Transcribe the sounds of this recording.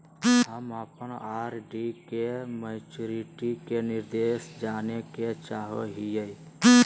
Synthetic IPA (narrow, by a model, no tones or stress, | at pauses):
ɦəməpənaːɾɖikeməɪt͡ʃuɾiʈikenɪɾd̪eːʃd͡ʒaːneket͡ʃaːɦoɦijəj̪